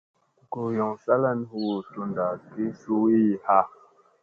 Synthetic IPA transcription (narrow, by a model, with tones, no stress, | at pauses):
ko˨jɔ˨ŋsa˦la˦n˦hu˦wo˨to˦nda˨ki˦su˦wi˦˨ha˦